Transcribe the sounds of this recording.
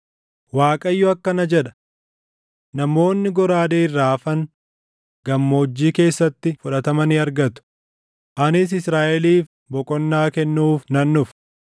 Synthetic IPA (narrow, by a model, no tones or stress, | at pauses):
waːkʼɐjːʊɐkːɐnɐd͡ʒɛᶑɐ̥ | nɐmo̞ːnːɪɡɔɾaːd̪eːɪrːaːɐfɐn | ɡ̥ɐmːo̞ːd͡ʒːiːke̞ːsːɐt̪ːɪfʊᶑɐt̪ɐmɐnɪɐɾɡɐt̪ʊ̥ | ʔɐnɪs̬ɪsɾaːʔɛliːf | bɔkʼɔnːaːkɛnːuːfnɐnːʊf